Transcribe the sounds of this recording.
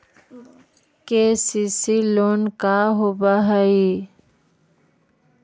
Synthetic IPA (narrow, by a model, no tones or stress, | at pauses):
kesisiloːnkaɦobaɦəi